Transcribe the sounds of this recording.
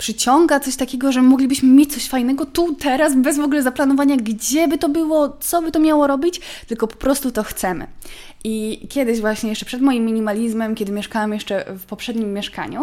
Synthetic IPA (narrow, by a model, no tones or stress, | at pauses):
pʂɘt͡ɕɔŋɡat̪sɔɕt̪akʲɛɡɔʐɛmɔɡlʲibɘɕmɘmʲjet͡ɕ̚ʲt̪sɔɕfajnɛɡɔt̪ut̪ɛɾazbɛzvɔɡulɛzaplanɔvaɲaɡd͡ʑɛbɘt̪ɔbɘwɔt̪sɔbɘt̪ɔmʲjawɔɾɔbʲit͡ɕt̪ɘlkɔpɔ̥pɾɔst̪ut̪ɔxt̪sɛmɘ̰ | ʔikʲjɛd̪ɘɕvwaɕɲɛjɛʂt͡ʂɛpʂɛd̪mɔjimːʲiɲimalʲizmɛmkʲɛd̪ɘmʲjɛʂkawɛmjɛʂt͡ʂɛfpɔpʂɛd̪ɲimːjɛʂka̰ɲṵ